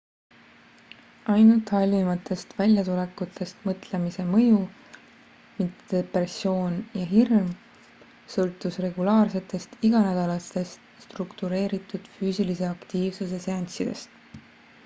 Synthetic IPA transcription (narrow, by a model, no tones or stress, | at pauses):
ɑjnult̪ˑhɑlʲmimɑt̪ːˑe̞st̪vælʲjɑt̪ule̞kːut̪ʰːˑe̞st̪mɤt̪ˑle̞mise̞mɤju | mit̪ed̪̥epreso̞ːnjɑɦirm | sɤlt̪ːˑusre̞ɡ̥ulɑːrse̞t̪ːˑe̞st̪iɡ̥ɑnæd̪̥ɑlɑst̪e̞st̪st̪rukt̪uɾe̞ːɾit̪ːˑud̪̥fyːsilise̞ɑkt̪iːvsuse̞seɑnʲt̪sid̪̥e̞st̪